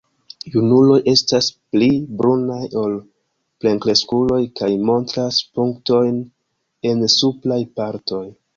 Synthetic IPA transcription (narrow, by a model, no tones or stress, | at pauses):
junulo̞jʔe̞stasplibɾunajo̞l | ple̞ŋkle̞skulo̞jkajmo̞ntɾaspuŋkto̞jn | e̞nsuplajpaɾto̞j